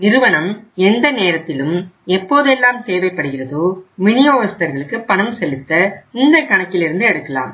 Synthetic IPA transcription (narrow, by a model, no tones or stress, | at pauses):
nɪɾɯʋɐɳɐmɛnd̪ɐneːɾɐt̪ːɪlɯmɛpːoːðɛlːaːmt̪eːʋɐɪpːɐɽɯɣɪrɐðoːmɪnɪjoːʋɐst̪ɐɾɣɐɭɯkːɯpːɐɳɐmsɛlɯt̪ːɐɪnd̪ɐkɐɳɐkːɪlɪɾɯnd̪ɯɛɽɯkːɐla̰ːm